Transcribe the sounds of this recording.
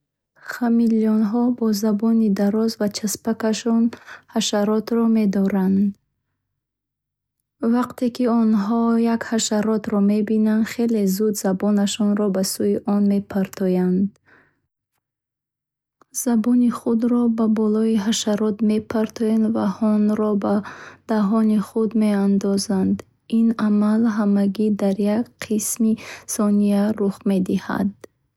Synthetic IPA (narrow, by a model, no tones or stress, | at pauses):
χamiliɔnɦɔbɔzabɔnid̪aɾɔzvat͡ʃʰaspakaʃɔnhaʃaɾɔt̪ɾɔme̞d̪ɔɾand̪ | vaqt̪ʰe̞kiɔnɦɔjakhaʃaɾɔt̪ɾɔme̞binanχe̞le̞zud̪zabɔnaʃɔnɾɔbasuiʔɔnme̞pʰaɾt̪ʰɔjand̪ | z̥abɔniχud̪ɾɔbabɔlɔiɦaʃaɾɔt̪me̞pʰaɾt̪ʰɔjand̪vahɔnɾɔbad̪̥aɦɔniχud̪me̞and̪ɔzand̪ | inamalɦamaɡid̪aɾjakqʰismisɔniaɾuχme̞d̪iha̰d̪